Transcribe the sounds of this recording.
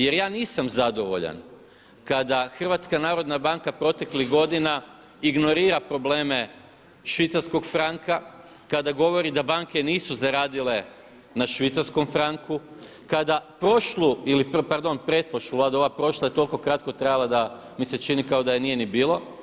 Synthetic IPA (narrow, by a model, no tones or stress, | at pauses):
je̞ɾjaːniːsamzad̪o̞ʋo̞̰ʎa̰n | kad̪axr̩ʋat̪skanaːɾo̞d̪nabaŋkapɾo̞t̪e̞kliɣɡo̞d̪ina | iɡno̞ɾiːɾapɾo̞ble̞ːme̞ | ʃʋit̪saɾsko̞ɡfɾaŋka | kad̪aɡo̞ʋo̞ɾid̪abaŋke̞niːsuzaɾaːd̪ile | naʃʋit̪saɾsko̞mfɾaŋku | kad̪apɾo̞ʃluilippaɾd̪o̞npɾet̪̚poʃlˠulaːd̪ao̞ʋapɾo̞ʃlˠajet̪o̞lko̞kɾat̪̚ko̞t̪ɾajalˠad̪a | mise̞t͡ʃinikaod̪aje̞nije̞nibiːlˠo̞